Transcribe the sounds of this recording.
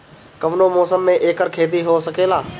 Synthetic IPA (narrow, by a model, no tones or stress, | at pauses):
kəʋnoːmɔːsəmːẽːʔeːkəɾkʰeːd̪iːɦoːsəkʰeːlaː